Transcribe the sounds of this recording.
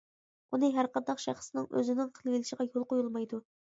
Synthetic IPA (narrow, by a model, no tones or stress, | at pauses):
ʔunɨɦæɾqʰɑnd̪ɑqʃæ̰χsnɪŋø̰zɪnɪŋqʰəlˠvʲɪlɪʃəʁɑjolˠqojulˠmɑjd̪u